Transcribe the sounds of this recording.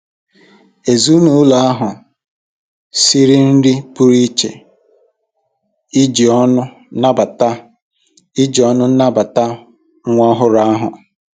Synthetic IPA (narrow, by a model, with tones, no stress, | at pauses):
e˨zu˦nu˨˦la˦ɦʊ˨ | si˦ɾi˦n̩˦dɪ˦pu˦ɾi˦t͡ʃḛ˨ | i˦d͡ʒi˨ɔ˦nʊ˦ | na˦ba˨ta˦ | i˦d͡ʒi˨˦ɔ˦nʊ˦n̩˦na˦ba˨ta˦ | ŋʷa˦ɦʊ˦ɾa˦a˦ɦʊ̰˨